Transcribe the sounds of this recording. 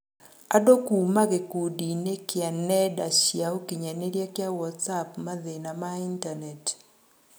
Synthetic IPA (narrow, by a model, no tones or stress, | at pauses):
adokumaɡekudinekɪanɛdaʃjaokiɲaneɾjakɪawɔtsapmaðenamaintanɛt